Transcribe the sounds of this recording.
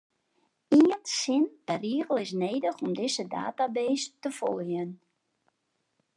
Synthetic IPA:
iəntsɪnpɛriəɣəlˠɪs̬neːdəxɔmdɪsəda̰ːtabeːstəfɔ̰lˠjən

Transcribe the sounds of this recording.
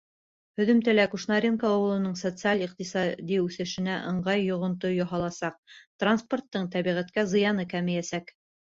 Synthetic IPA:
hɵ̆ðɵ̆mt̪ælækuʃnɑɾʲenkaːwɤ̆lˠɤ̆nɤɴsot̪sɨalʲiq̚t̪isɑd̪iʉθɘ̆ʃɘ̆næʔɤ̆ɴɢɑjːŏʁŏnt̪ojoɦɑlˠɑsɑq̚t̪ransport̪ːɤɴt̪æβiʁæt̪kæzɤ̆jɑnɤkæmɘ̆jæsæk

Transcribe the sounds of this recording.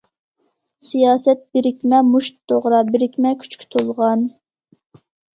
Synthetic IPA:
sijɑːsɛt̪̚bɪɾɪkʲmɛmuʃt̪d̪oʁɾɑbɪɾɪkʲmɛkʲʰy̥t͡ʃkʲʰy̥t̪ʰolˠʁɑn

